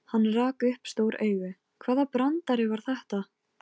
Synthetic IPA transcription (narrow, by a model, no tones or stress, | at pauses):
hanːraːkʏhpst̪oːwɾʔeːjɣʏ | kʰvɛːðapɾant̪aɾɪvaɾ̥θɛht̪a